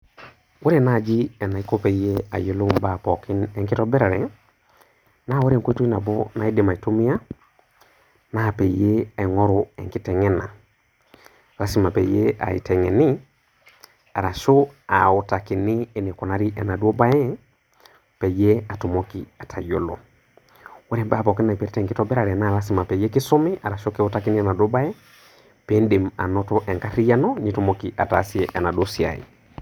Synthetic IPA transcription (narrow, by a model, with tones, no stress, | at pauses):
we˦ɾe˦˨na˦˨d͡ʒi˦ɛ˨na˨i˦ko˦pe˨˦je˦a̰˨je˦lu˦mba˨pɔ˨ki˦nɛ˨ŋki˦tɔ˦bɛ˦ɾe˨ɾɛ˨ | na˦wo˦ɾie˨ŋko˦i˦tu˦i˦na˨bɔ˦na˨i˦di˨ma˨i˨to˦mi˦a˦ | na˦˨pe˨je˦a˨i˨ŋɔ˦ɾo˨ɛ̰˨ŋki˦tɛ˨ŋɛ˦na̰˨ | ɾa˦si˨ma˨pḛ˨je˦a̰˨ḭ˨tɛ˨ŋɛ˨ni˦ | a˨ɾa˨so˦a˨ɔ˨ta˨ki˨niː˦ni˨kɔ˨na˦ɾi˦ʔɛ˨na˨do˦ba˦jɛ˦ | pɛ˨je˦a˨tu˨mɔkia˨tʰa˨jo˦lɔ̰˨ | wɛ˦ɾɛ˨mba˦˨pɔ˨ki˦na˨pɛ˨ɾi˦tɛ˨ŋki˦tɔ˦bɛ˦ɾa˨ɾi˨na˦˨la˦si˨ma˨pɛ˨je˦ki˦sɔ˦mi˦a˨ɾa˨ʃo˦ki˦ɔ˦ta˦ki˦ni˦ɛna˨do˦ba˦jɛ˦ | pe˦ndi˨ma̰˨nɔ˦tɔ˦ʔɛ˨ŋka˦ɾi˦ja˦nɔ˦ni˨tu˦mo˦ki˨ʔa˨ta˨˦si˦ɛʔɛ˨na˨do˦si˨a̰˨ḭ˨